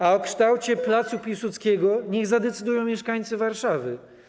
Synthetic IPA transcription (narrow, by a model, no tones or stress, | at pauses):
aɔkʂt̪awt͡ɕɛplat̪supʲiwsut̪skʲɛɡɔɲɛɣzad̪ɛt̪sɘd̪ujɔ̃w̃mʲɛʂkaɲt̪sɘvaɾʂavɘ